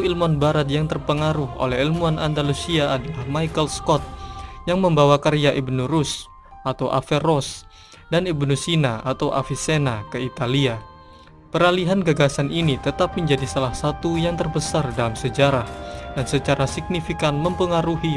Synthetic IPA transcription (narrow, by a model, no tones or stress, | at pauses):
uilmuanbaɾat̪̚jaŋt̪ərpəŋaɾuɦʔo̰lɛɦilmuanʔandalusiaːdalahmajkəlskɔt̪̚jaŋməmbawakaɾijaʔibnuɾus | ʔat̪awʔa̰fɛrɔs | danibnusinaat̪awʔa̰fisenakəit̪alia | pəɾaliɦanɡaɡasanʔinit̪ət̪ap̚məɲd͡ʒadisalahsat̪ujaŋt̪ərbəsardalamsəd͡ʒaɾahdansət͡ʃaɾasik̚nifikanməmpəŋaɾuɦi